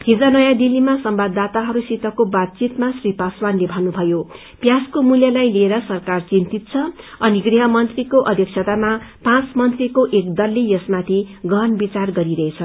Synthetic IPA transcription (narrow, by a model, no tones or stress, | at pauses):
hid͡zanʌjad̪ilːimasʌmbad̪ːat̪aɦʌɾusit̪ʌkobat̪̚t͡sit̪masripaswanlebʱʌnubʱʌjo | pjaskomuljʌlajlieɾʌsʌrkart͡sint̪it̪̚t͡sʰʌʌniɡriɦʌmʌnt̪rikoʔʌd̪ʱjʌk̚t͡sʰʌt̪amapãt͡smʌnt̪rikoʔekd̪ʌlːijʌsmat̪ʰiɡʌnbit͡sarɡʌɾiɾʌɦet͡sʰʌ